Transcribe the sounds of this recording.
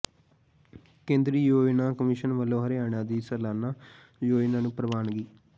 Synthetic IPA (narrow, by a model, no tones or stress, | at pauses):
kẽːnd̪ɾiːjoːinãːkəmiʃənʋəlːõːɦəɾeaːɳãːd̪iːsəlaːnaː | joːinãːnũːpɾəʋaːnɡiː